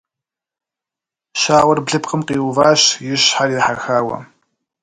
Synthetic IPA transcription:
ʃaːʁʷɔrbɮɨpqəmqiːwvaːɕjɪɕħarɪħarxaːwɐ̰

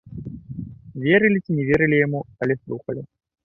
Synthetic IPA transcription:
vʲeɾɨlʲit͡sʲinʲɛvʲeɾɨlʲijamuɐlʲɛslˠuxɐlʲi

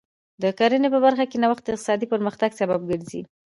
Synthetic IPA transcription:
d̪əkaɾənepəbaɾxakenawaxt̪d̪əɪqt̪ɪ̥sɑd̪ipəɾməxt̪aɡsabab̚ɡəɾzḭ

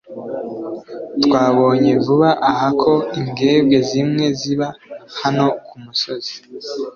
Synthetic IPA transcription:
twaːβo̞ːɲe̞vuβaʔahakʰo̞iŋɡe̞ːbɡe̞zimŋe̞ziβahano̞kʰumuso̞zi̥

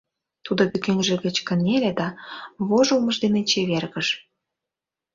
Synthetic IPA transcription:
t̪ud̪oβykenʒĕɣə̆t͡ɕkə̆nelʲed̪ɑβoʒəlməʒd̪enet͡ɕeβerɣəʃ

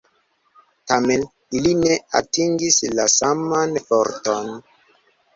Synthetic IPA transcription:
tame̞n | iline̞a̰tiŋɡislasamanfoɾton

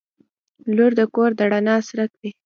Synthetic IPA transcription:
loɾd̪əkoɾd̪aɽanɑsɾak̚d̪e

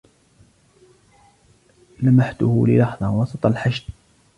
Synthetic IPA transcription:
lamaħt̪ʊhʊlɪ̰lɑħðˤɑwɑsˤɑt̪ˤɑlħaʃd̪

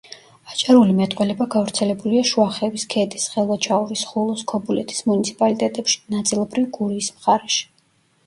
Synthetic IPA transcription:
at͡ʃʼaɾulimɛt̪ʼqʼwɛlɛbaɡavɾt̪sʰɛlɛbuliaʃuaχɛviskʰɛt̪ʼisχɛlˠvat͡ʃʰaɔɾisχulˠɔskʰɔbulɛt̪ʰi̥smunit̪sʰi̥pʼalit̪ʼɛt̪ʼɛpʃi̥nat̪sʼilˠɔbɾivɡuɾiːsmχaɾɛʃi̥

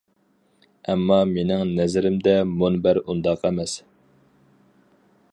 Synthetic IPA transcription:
ɛmːɑmenɪŋnɛzɪɾɪmd̪ɛmonbæɾund̪ɑqæmɛs

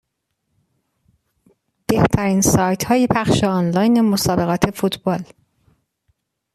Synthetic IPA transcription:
b̥e̞ht̪ʰæɾiːnsɒːjt̪ʰhɒːjepʰæχʃeɒnlɒːjne̞mosɒːbe̞ɣɒːt̪ʰe̞fuːt̪ʰbɒːl

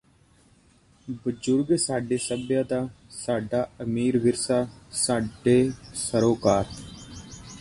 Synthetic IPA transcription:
bəd͡ʒʊɾɡsaːɖeːsəbjãːd̪aːsaːɖaːəmiːɾʋɪɾsaːsaːɖeːsəɾoːkaːt̪

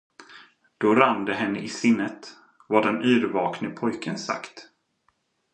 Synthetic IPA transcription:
d̪̥ɔɾand̪əɦɛnːəʔɪsɪnːət̪ | vaɖɛnʔy̟ːɾvɑːknəpʰɔjkʰənsa̰kt̪

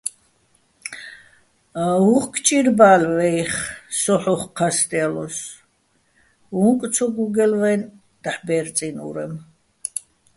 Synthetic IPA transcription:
uχkʰt͡ʃʼiɾbalvɛiχsɔħɔχqʰːast̪ʼɛalɔs | uŋk̪ʼsʰɔɡuɡɛlvɛn | d̪̥aħbɛɾt̪t͡s̪ʼinṵɾɛm

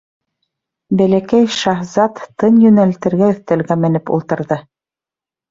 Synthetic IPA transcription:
bælækæjʃɑhzɑt̪ːɤnjɵ̆nælt̪ɘ̆ɾɡæɵ̆θt̪ælɡæmɘ̆nɘpṵlˠt̪ɤ̆ɾðɤ

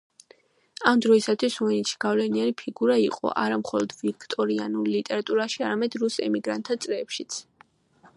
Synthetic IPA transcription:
amd̪ɾɔisat̪ʰwisuɛnit̪t͡ʃʰʃʰi̥ɡ̥avlɛnianipʰiɡuɾaiqʼɔ̰ʔa̰ɾamχɔlɔd̪vikʰt̪ʼɔɾianullit̪ʼɛɾat̪ʼuɾaʃiaɾamɛd̪ɾusɛ̰miɡɾa̰nt̪ʰːat̪sʼɾɛːpʃit̪sʰ

